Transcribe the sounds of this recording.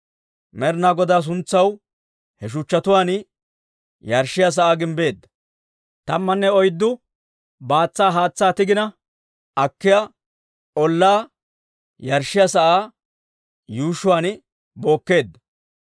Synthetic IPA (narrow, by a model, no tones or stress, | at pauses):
mɛɾnaːɡɔd̪aːs̬ʊnt͡sːɐw | hɛʃ̬ʊt͡ʃːɐt̪ʊwaːn | jɐɾʃːɪjas̬ɐʔaːɡɪmbe̞ːd̪ːɐ̥ | t̪ɐmːɐnːɛɔjd̪ːʊ | baːt͡sːaːɦaːt͡sːaːt̪ɪɡɪnɐ | ʔɐkːɪja | ʔɔlːaː | jɐɾʃːɪjasɐʔaː | juːʃʊwaːnɪ | bo̞ːkːe̞ːd̪ːɐ